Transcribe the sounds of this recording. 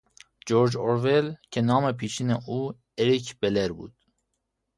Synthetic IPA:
d͡ʒoɾd͡ʒoɾvelcʰenɑːmepʰiːʃiːneʔuː | eɾicʰb̥eleɾbṵːd̪̥

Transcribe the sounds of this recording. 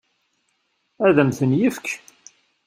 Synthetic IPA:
æðəmθənjifk

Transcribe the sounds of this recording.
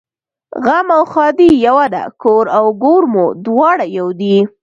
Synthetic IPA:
ɣamawxɑd̪ijawad̪a̰koɾawɡoɾmod̪wɑɽajawd̪i

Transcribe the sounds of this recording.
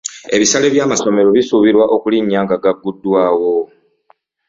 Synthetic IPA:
e̞βisale̞βjaːmaso̞me̞ɾo̞βisuβiɾwaʔo̞kuliɲːaːŋɡaɡaɡːudːwaːwo̞

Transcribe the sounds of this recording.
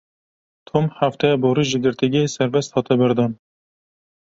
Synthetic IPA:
t̪ʰomhaft̪ɛjɛboɾiːʒɨɡɨɾt̪ʰiɡɛesɛɾvɛst̪hɑːt̪ɛbɨɾd̪ɑn

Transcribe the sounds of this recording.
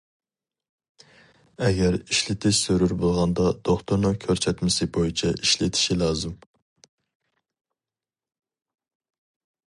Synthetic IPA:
ɛɡʲɛɾiʃlɪt̪ʰɪʃsøɾyɾbolˠʁɑnd̪ɑd̪̥oχt̪ʰuɾnɨŋkʲʰøɾsɛt̪mɪsɪbojit͡ʃʰɛiʃlɪt̪ʰɪ̥ʃilˠɑːzɨm

